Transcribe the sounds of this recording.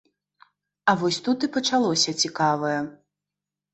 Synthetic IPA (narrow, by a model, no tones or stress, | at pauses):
ɐvɔsʲt̪ut̪ɨpɐt͡ʂalˠɔsʲɐt͡sʲikavɐjɛ